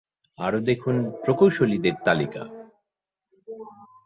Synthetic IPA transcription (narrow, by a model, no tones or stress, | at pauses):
a̰ɾod̪ekʰunpɾokowʃolid̪eɾt̪alika̰